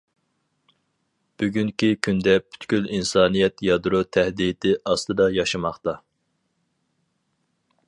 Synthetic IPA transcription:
b̥yɡʲyŋkʲikʲʰynd̪ɛpʰy̥t̪kʲylinsɑːnijɛt̪jɑd̪ɾut̪ʰɛhd̪it̪ɪʔɑst̪ɨd̪ɑjɑʃɨmɑχt̪ɑ

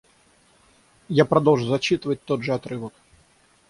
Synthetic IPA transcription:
japɾad̪ɔlˠʐuzɐt͡ɕit̪ɨvət̚ʲt̪ɔd̪ʐəat̪ɾɨvək

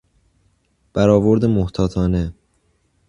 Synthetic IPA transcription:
b̥æɾɒːvoɾd̪emoht̪ʰɒːt̪ʰɒːne̞

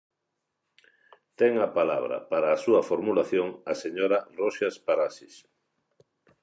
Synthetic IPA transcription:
t̪ɛŋapala̰βɾa̰paɾaːsuafoɾmulaθjoŋaseɲoɾaroʃaspaɾasis

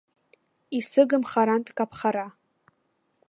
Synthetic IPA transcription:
isɨɡɨmχaɾantʼkʼapʰχaɾa

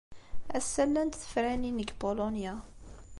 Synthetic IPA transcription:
æsːælːænt̪θə̥fɾæninəɡbolonja

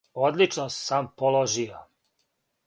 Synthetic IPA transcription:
od̪lit͡ʃnossampoloʒijo

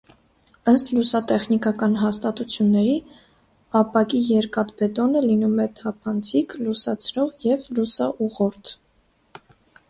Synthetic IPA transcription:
əst̪lusɑt̪ɛχnikɑkɑnɦɑst̪ɑt̪ut͡sʰjunːɛɾi | ɑpɑkijɛɾkɑt̪bɛt̪ɔnəlinumɛt̪ʰɑpʰɑnt͡sʰiklusɑt͡sʰɾɔʁjɛvlusɑʔuʁɔɾt̪ʰ

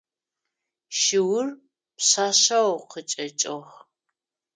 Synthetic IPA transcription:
ʃɪwʊr | pɕaːɕɐwqʰət͡ʃʼɐt͡ʃʼox

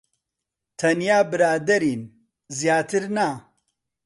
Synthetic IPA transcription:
t̪ʰɐnjaːbɨɾaːd̪ɐɾin | zijaːt̪ʰɨɾna

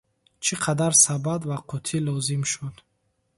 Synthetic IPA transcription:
t͡ʃʰiqʰad̪aɾsabad̪vaqʰɔt̪ʰilɔzimʃud̪

